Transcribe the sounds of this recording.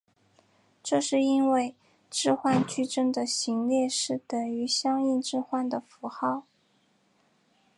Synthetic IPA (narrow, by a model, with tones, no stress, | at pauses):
ʈ͡ʂɤ˥˧ʂɻ̩˥˧i˥nwe˥˧ɪ | ʈ͡ʂɻ̩˥˧xwa˥˧nt͡ɕy˥˧ʈ͡ʂə˥ŋd̪ə˨ɕi˧˥ŋljɛ˥˧ʂɻ̩˥˩t̪ə˨˩y˧˥ɕjɑ˥ŋi˥˧nʈ͡ʂɻ̩˥˧xwa˥˩nd̪ə˩fu˧˥xɑ˥˩ʊ